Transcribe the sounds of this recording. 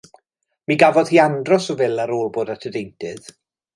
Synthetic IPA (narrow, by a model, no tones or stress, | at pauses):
miɡavɔð̥hiːandrɔsɔvɪlˠaɾoːlˠboːdatʰədejntʰɨð̥